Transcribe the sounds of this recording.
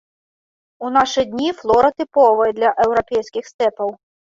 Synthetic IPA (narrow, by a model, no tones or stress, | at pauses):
unaʂɨd̪ʲnʲiflˠɔɾɐt̪ɪpɔvɐjɛd̪lʲɐʔɛwɾɔpʲɛjsʲkʲɪxst̪ɛpɐw